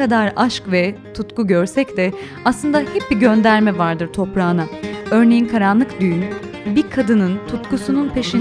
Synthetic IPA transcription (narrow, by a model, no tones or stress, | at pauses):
ad̪aɾaʃkvɛt̪ʰut̪kuɟøɾsɛcd̪ɛ | aslˠɯnd̪ahɛp̚biɟønd̪æɾmɛvaɾd̪ɯɾt̪ʰo̞pɾaːnaø̞ɾne̞jinkʰaɾanlˠɯkd̪ynbiɾkʰad̪ɯnɯnt̪ʰut̪kusununpʰeʃin